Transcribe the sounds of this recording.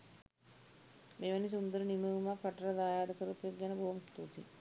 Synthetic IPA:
meːʋanis̬und̪əɾəniməʋumapɐʈəɾad̪aːjaːd̪əkəɾupjoɡjanəboɦumst̪ut̪ḭ

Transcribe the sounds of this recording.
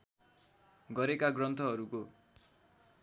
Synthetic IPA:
ɡʌɾekaɡrʌnt̪ʰʌɦʌɾuko

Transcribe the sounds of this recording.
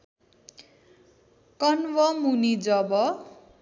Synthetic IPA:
kʌnwʌmunid͡zʌbʌ

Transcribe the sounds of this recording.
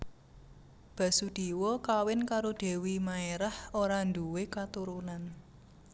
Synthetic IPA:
b̥a̤sud̪̥i̤wɔkawɪnkaɾod̪̥e̤wimaeɾahoɾand̪uwekat̪uɾunan

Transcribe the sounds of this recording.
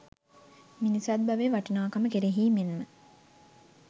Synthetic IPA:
minisad̪̚baʋeːʋaʈinaːkaməkeɾeɦiːmenmə

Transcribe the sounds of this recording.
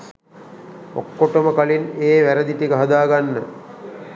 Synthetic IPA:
o̰kːoʈəməkalineːʋæɾəd̪iʈikəɦɐd̪aːɡanːə

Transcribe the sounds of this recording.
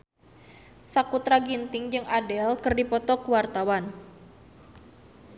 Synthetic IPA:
sakut̪ɾaɡint̪ɪŋd͡ʒɨŋadɛlkɨrdipɔt̪ɔkuwart̪awan

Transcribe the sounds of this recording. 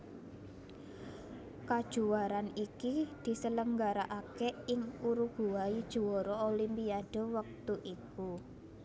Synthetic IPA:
kad̥ʒ̥ṳaɾanikid̪̥i̤sələŋɡaɾaʔakɛɪŋuɾuɡ̥uwaid̥ʒ̥ṳwɔɾɔolimpiaɖ̥o̤wək̚t̪uʔiku

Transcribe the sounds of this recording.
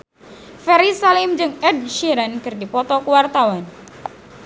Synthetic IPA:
fɛɾisalimd͡ʒɨŋɛd̚ʃiɾankɨrdipɔt̪ɔkuwart̪awan

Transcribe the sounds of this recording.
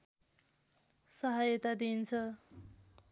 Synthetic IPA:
sʌɦajʌt̪ad̪int͡sʰʌ

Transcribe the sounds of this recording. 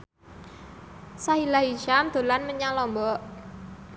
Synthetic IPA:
sailaɦit͡ʃamd̪̥o̤lanməɲalɔmbɔʔ

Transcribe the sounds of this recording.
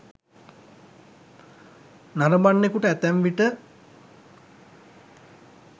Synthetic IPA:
naɾəbanːekuʈəæt̪æmʋiʈə

